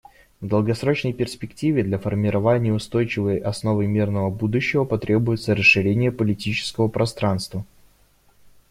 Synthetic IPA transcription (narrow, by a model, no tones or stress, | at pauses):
vd̪əlˠɡɐsɾo̞t͡ɕnəjpʲɪrspʲɪktʲivʲɪd̪lʲafərmʲɪɾɐvanʲɪjəʊst̪o̞jt͡ɕɪvəjʔɐsno̞vɨmʲirnəvəbud̪ʊɕːɪvəpɐt̪ɾʲʔe̞bʊjɪt̪səɾəsʂɨɾʲenʲɪjəpəlʲɪtʲit͡ɕɪ̥skəvəpɾɐst̪ɾanst̪və